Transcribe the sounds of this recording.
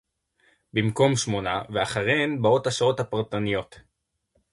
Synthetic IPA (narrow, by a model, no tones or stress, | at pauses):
bimko̞mʃmo̞na̰veaχaʁenbaotaʃao̞thapaʁt̪anijo̞t̪